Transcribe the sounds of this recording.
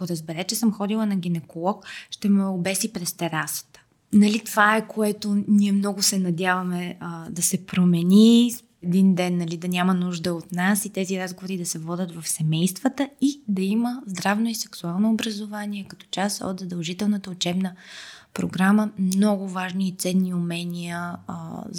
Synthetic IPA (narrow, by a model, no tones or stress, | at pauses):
koɾəzbɛɾɛt͡ʃɛsəmxɔd̪ilˠənɐɡ̟inɛkolˠɔkʃt̪ɛmɛʊbɛsipɾɛst̪ɛɾasə̥t̪ə̥ | nɐlit̪ovaɛkoɛt̪ʊniɛmnɔɡʊsɛnɐd̪ʲjavɐmɛd̪ɐsɛpɾomɛni | ɛd̪ind̪ɛnːɐlid̪ɐnʲamənuʒd̪əot̪nasit̪ɛziɾazɡovoɾid̪ɐsɛvɔd̪ʲət̪vɐfsɛmɛjst̪vət̪əid̪ɐiməzd̪ɾavnoisɛksualˠnoːbɾəzovanʲiɛkɐt̪ɔ̥t͡ʃasɔ̰d̪d̪ɐlˠʒit̪ɛlˠnət̪əʊt͡ʃɛbnəpɾo̰ɡɾaməmnɔɡʊvaʒniːt̪sɛnːiʊmɛnijə